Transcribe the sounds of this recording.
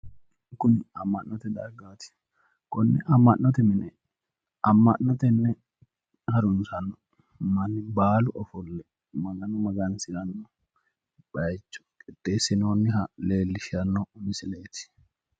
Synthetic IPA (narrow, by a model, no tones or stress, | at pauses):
kʊnɐmːɐnnɔt̪ɛd̪ɐ̰ɾɡaːt̪ɪ̥ | kɔnːɛʔɐmːɐʔːɔt̪ɛmɪnɛ | ɐmːɐnːɔt̪ɛnːɛ | hɐɾʊnsɐnːɔ | mɐnːɪbaːlʊʔɔfɔlːɛ | mɐɡɐnʊmɐɡɐnsɪɾɐnːɔ | bɐjt͡ʃːɔ̥kʼɪt̪ːe̞ːsːɪnoːnːɪɦɐle̞ːlːɪʃɪɐnːɔnɪsɪleːt̪ɪ̥